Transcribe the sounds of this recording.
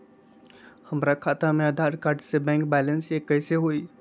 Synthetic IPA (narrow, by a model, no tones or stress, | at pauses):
həmɾakʰat̪amẽəd̪ʱaɾkaɾɖsebɛ̃ŋkbɛlənsekəɦseɦoi